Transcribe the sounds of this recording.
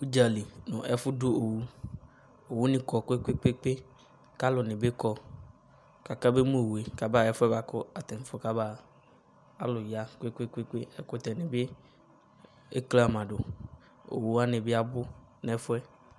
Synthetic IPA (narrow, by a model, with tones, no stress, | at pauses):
u˦d͡ʒa˨li˨nʊ̃˨ʔɛ˦fʊ˦dʊ˦o˨wu˦ | o˨wu˦nĩ˦kɔ˨kʊ˦e˦ke˦k͡pe˦k͡pe˦ | ka˦lʊ˨nɪ̃˨be˦kɔ˦ | ka˨ka˦be˦mũ˦˨we˨ka˨ba˦˨ɛ˦fʊ˦ɛ˦ba˨kʊ˦a˨t̪ɛ˨n˦fʊ˦ka˦baː˦˨ | a˦lʊ˨ja˦ke˦ke˦ke˦k͡pe˦ɛ˦kʊ˦t̪ɛ˨nɪ̃˨be˦ | e˦kle˦a˨mã˨ɖo˨ | o̰˨wu˦a˦nẽ˨be˦a˦bʊ˦ | nɛ˨˦fʊ˦ɛ˦